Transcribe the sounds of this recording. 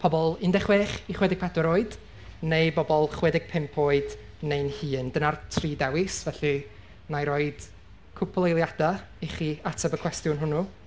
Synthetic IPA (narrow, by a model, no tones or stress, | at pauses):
pʰɔbɔlˠɪndɛχweːχiχwɛdɪɡ̚pʰadɔɾoɨd̥ | nejbɔbɔlˠχwɛdɪɡ̥̚pʰɪmpʰoɨd | nejnhɨːndənartʰriːdɛwɪsvɛɬi | najɾoːɨd̥ | kʰʊpʰlˠejlˠjada | iχiatʰabəkʰw̥ɛstjʊnɦʊnu